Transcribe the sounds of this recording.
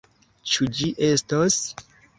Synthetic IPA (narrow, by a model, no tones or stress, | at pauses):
t͡ʃud͡ʒiʔe̞stos